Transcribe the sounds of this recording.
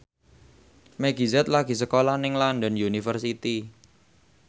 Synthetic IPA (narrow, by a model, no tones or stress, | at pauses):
mɛɡ̥izɛt̪̚laɡ̥i̤səkolahnɪŋlandɔnjunifərsit̪i